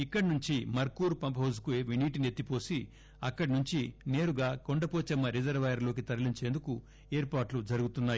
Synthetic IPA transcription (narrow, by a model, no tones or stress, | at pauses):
ikːɐɽinuɲt͡ʃimɐɾkuːɾupɐmpɐɦɐwzkueːʋiniːʈ̬inet̪ːipo̞ːsi | ɐkːɐɽinuɲt͡ʃine̞ːɾuɡaːko̞ɳɖɐpoːt͡ʃɐmːɐɾid͡ʒɐɾʋɐjɐɾlo̞ːk̬it̪ɐɾɐliɲt͡ʃe̞ːnd̪uku | eːɾpaːɾʈlud͡ʒɐɾuɡut̪unːaːj